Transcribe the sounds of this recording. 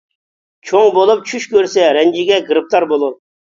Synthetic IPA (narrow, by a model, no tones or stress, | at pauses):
t͡ʃʰoŋbolˠup̚t͡ʃʰyʃkʲʰøɾsɛɾɛnd͡ʒɪɡʲɛɡɾɨp̚t̪ɑɾbolˠu